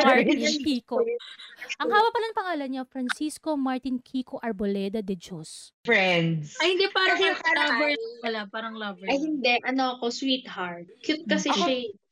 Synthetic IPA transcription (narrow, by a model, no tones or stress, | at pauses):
maɹinkiːko | ʔɐŋhaːwɐpɐlɐŋpɐŋaːlɐnɲɐfɾɐnsiskomaɹt̪ɪnkʰikoʔɐɹbolɛːd̪ɐd̪ɛd͡ʒosfɹɛnd̪sɐjhɪnd̪ɛpaːɾɐŋkɐɐkɐlɐvɛɹkɐlapaːɾɐŋlɐvɛɐjhɪnd̪ɛʔɐnoɐkoswiːt̪haɹt̪̚kjʊt̪̚kɐsɛʃɐ